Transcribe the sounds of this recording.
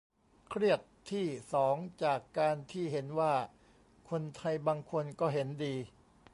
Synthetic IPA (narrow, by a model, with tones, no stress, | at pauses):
kʰɾi˥˩ət̪ʰːiː˥˩sɔː˩˦ŋt͡ɕaː˨˩kːaː˧nt̪ʰiː˥˩ɦe˩˦nwaː˥˩ | kʰo˧nt̪ʰa˧jbaː˧ŋkʰo˧nkɔː˥˩ɦe˩˦ndiː˧